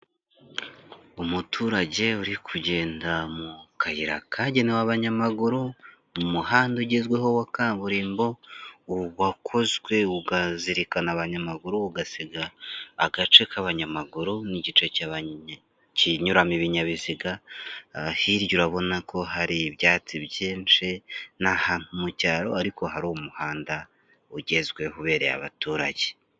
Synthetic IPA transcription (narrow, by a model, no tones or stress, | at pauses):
umutʰuːɾaɟe̞uɾikʰuɟe̞ːndamukʰajiɾa̰kʰaɟe̞newaβaɲamaɡuɾu | mumuhaːnduɟezɡweɦo̞wakaːβuɾiːmbo̞uwakʰo̞zɡwe̞uɡaziɾikanaβaɲamaɡuɾuuɡasiɡa̰ːɡat͡ʃe̞kʰaβaɲamaɡuɾuniɟit͡ʃe̞ca | ciɲuɾamiβiɲaβiziɡa | hiɾjuɾaβo̞nakʰo̞haɾiβjaːt͡siβjiːnt͡ʃinahaːn̥humucaːɾo̞aɾiko̞ɦaɾuwomuhaːnda | uɟe̞zɡwe̞huβe̞ːɾḛja̰βa̰tuːɾa̰ɟe